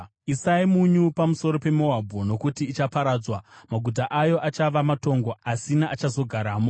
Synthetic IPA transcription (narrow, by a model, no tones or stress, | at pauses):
isaimuɲupamuso̞ɾope̞mo̞abʱono̞kutiːt͡ʃapaɾaːd͡zwamaɡʱut̬aʔajo̞ʔat͡ʃaʋamato̞ŋɡo̞asinaʔat͡ʃazo̞ɡʱaɾaːmo